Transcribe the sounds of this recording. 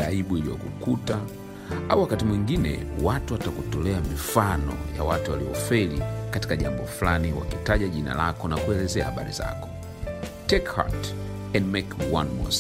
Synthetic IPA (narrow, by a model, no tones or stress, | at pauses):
aiɓuilijɔ̰kukuta | auwakatimwiŋɡinɛ̰watuwatakutɔlɛamifanɔ̰ja̰watuwaliɔfɛlikati̥kaʄambɔflaniwa̰kitaʄaʄina̰lakɔnakuɛlɛzɛahaɓa̰ɾḭza̰kɔ̥ | tɛkha̰t | ɛndmɛkwanmɔ̰s